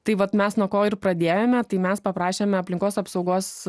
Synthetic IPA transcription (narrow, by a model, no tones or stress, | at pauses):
t̪ɐɪʋɐt̪mʲɛsnuɔkoːɪrpɾɐd̪ʲeːjomʲɛt̪ɐɪmʲɛspɐpɾɑːʃʲeːmʲɛɐpʲlʲɪŋkoːsɐpsɒʊɡoːs